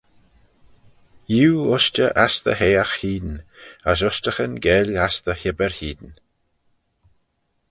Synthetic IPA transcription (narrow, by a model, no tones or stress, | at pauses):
juːʊst͡ʃəʔast̪ə̰ɦeːaxhiːd̪nəs̬ʊstəxənɡɛlast̪əhɪbəɹhiːd̪n